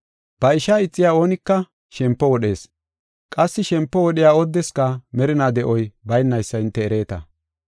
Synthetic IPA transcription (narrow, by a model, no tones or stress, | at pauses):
b̥ɐɪʃaːɪt͡sʼːɪjaːo̞ːnɪkːɐ | ʃɛmpːɔwɔɗe̞ːs | kʼɐsːɪʃɛmpːɔwɔɗɪjaːɔd̪ːɛskɐmɛɾɪnaːd̪ɛʔɔjbɐjnːɐjsːɐɪnt̪ːɛːɾe̞ːt̪ɐ̰